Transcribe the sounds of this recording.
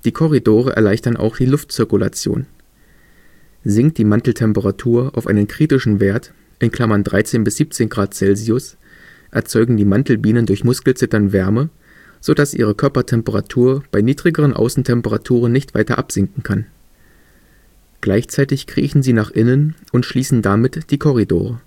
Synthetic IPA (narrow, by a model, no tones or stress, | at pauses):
d̥iːkʰɔʁ̞idoːʁ̞ə̰ʔɛ̰ɐlaɪçtɐnʔa̰ʊxd̥iːlʊftt͡sɪɐkʊla̰t͡sjo̰ːn | zɪŋkt̚d̥iːmantl̩tʰɛmpəʁatʰuːɐʔaʊfʔa̰ɪnənkʁ̥iːtɪʃn̩veːɐt | ʔɪnkʰl̥amɐndʁa̰ɪt͡seːnbɪsz̥iːp̚t͡seːnɡʁaːt̚t͡sɛlziʊs | ʔɛ̰ɐt͡sɔʏɡŋ̩diːmantl̩biːnəndʊɐçmʊskl̩t͡sɪtɐnvɛɐmə | z̥od̥asʔḭːʁ̞əkʰœɐpɐtʰɛmpəʁatʰuːɐb̥aɪniːdʁɪɡəʁ̞ənʔa̰ʊsn̩tʰɛmpəʁatʰuːʁənːɪçtv̥a̰ɪtɐ̰ʔapz̥ɪŋkŋ̩kʰan | ɡ̥laɪçt͡saɪtɪçkʁ̥ḭːçn̩ziːnaːχʔɪnənʔʊntʃliːsn̩damɪtd̥iːkʰɔʁ̞ido̰ːʁ̞ə